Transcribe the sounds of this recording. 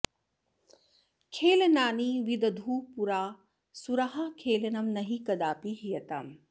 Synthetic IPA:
kʰeːlnaːniʋid̪ɐd̪ʱuːpuɾaː | suɾɐɦɐkʰeːlɐnɐmnɐɦikɐd̪aːpiɦijɐt̪aːm

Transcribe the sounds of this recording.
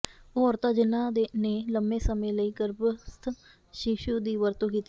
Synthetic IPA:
oːɾt̪aːd͡ʒɪnãːd̪eneːləmbẽːsəmẽːləiːɡəɾbst̪ʰ | ʃiʃuːd̪iːʋəɾt̪õːkiːt̪i

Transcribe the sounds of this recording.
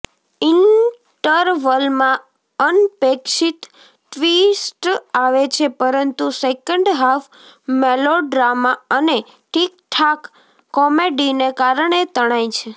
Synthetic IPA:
in | ʈəɾʋəlmã | ənpekʃit̪ː | ʋisʈaʋet͡ʃʰepəɾənt̪usekəɳɖɦaf | meloɖɾamaəne | ʈʰik̚ʈʰakː | ɔmeɖinekaɾəɳet̪əɽ̃ajt͡ʃʰe

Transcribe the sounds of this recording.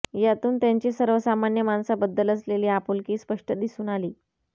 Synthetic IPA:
jat̪uːnt̪jaɲt͡ɕiːsəɾʋəsamanjəmansabəd̪ːələsleliːapulkiːspəʂʈʰəd̪isuːnaliː

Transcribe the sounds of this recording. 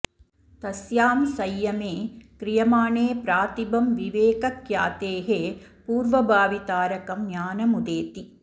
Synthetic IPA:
t̪ɐsjaːmsɐjːɐmeːkɾɪjɐmaːɳeːpɾaːt̪ibɐmʋiʋeːkɐkjaːt̪eːɦeːpuːɾʋɐbʱaːʋit̪aːɾɐkɐmnjaːnɐmud̪eːt̪i

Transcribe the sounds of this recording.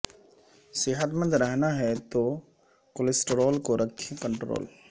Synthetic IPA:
sɪɦət̪mə̃nd̪ɾɛɦnaɦɛt̪o | kolesʈəɾɔːlkoɾəkʰːekəɳʈɾo̰ːl

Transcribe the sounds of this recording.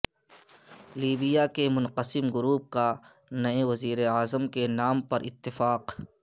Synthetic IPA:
liːbɪjakemʊnqəsɪmɡʊɾuːp̚ka | nɐeʋɐziːɾeaːzəmkenaːmpɐɾʔɪ̰t̪ːɪfaːq

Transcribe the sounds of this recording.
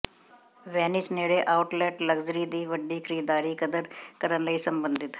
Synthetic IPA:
ʋɛːnɪt͡ʃneːɽeʔaːʊʈlɛːʈləɡzəɾiːd̪iːʋəɖːiːkʰəɾiːd̪aːɾiːkəd̪əɾkəɾənləiːsəmbə̃nd̪ɪt̪

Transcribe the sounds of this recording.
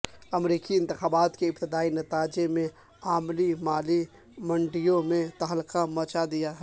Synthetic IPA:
ɐmɾiːkiɪ̃nt̪ɪxaːbaːt̪keɪpt̪ɪd̪aːinɐt̪aːd͡ʒemẽ | aːmlimaːli | mɐ̃ɳɖɪjõmẽt̪ɐɦlkamɐ̃ːt͡ʃad̪ɪjaɦɛ

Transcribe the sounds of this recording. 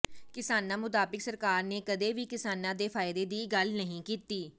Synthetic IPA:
kɪsaːnãːmʊt̪aːbɪksəɾkaːɾneːkəd̪eːʋiːkɪsaːnãːd̪eːpʰaːɪd̪eːd̪iːɡəlnəɦĩːkiːt̪iː

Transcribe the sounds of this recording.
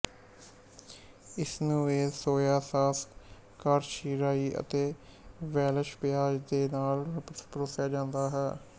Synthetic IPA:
ɪsnũːeːsoːjaːsaːs | kaːɾʃiːɾaːiːʔə̰t̪eː | ʋɛːləʃpɪaːd͡ʒd̪eːnaːlɾəptpɾoːsjaːd͡ʒãːnd̪aːɦɛː

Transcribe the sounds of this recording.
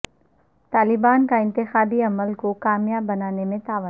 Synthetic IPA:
t̪aːlɪbaːnkaɪ̃nt̪ɪxaːbiɐməlkokaːmjabːɐnaːnemẽt̪aːʋə

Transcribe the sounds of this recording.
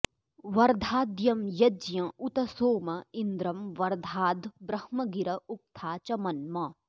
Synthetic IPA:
ʋɐɾd̪ʱaːd̪jɐmjɐd͡ʒjɐ̃ut̪ɐsoːmɐind̪ɾɐmʋɐɾd̪ʱaːd̪bɾɐhmɐɡiɾɐuk̚t̪ʰaːt͡ʃɐmɐnmɐ

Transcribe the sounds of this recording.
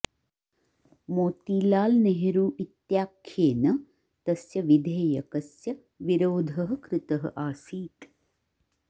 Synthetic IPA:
moːt̪iːlaːlneɦeɾuːʔit̪jaːkʰːjeːnɐ | t̪ɐsjɐʋid̪ʱeːjɐkɐsjɐ | ʋiɾoːd̪ʱɐɦɐ̆kɾɪt̪ɐɦɐ̰̆ʔaːsiːt̪

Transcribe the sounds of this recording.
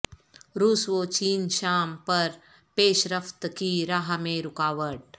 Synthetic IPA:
ɾuːsʋot͡ʃiːnʃaːmpɐɾ | peːʃɾəft̪kiɾaːɦmẽɾʊkaːʋəʈ̚

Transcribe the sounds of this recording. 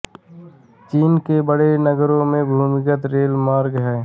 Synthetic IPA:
t͡ʃiːnkebəɽenəɡɾõmẽbʱuːmɪkət̪ɾeːlmaːɾɡɦɛː

